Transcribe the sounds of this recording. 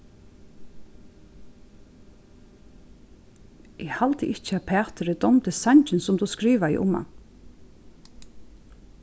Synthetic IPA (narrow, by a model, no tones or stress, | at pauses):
ʔɪhalt̪ɪʔɪht͡ʃɪapʰæːt̪ɪɾɪd̪ɔmt̪ɪsaɲt͡ʃɪnsɔmt̪uskɾiːʋaɪ̰ʔʊ̰mːa̰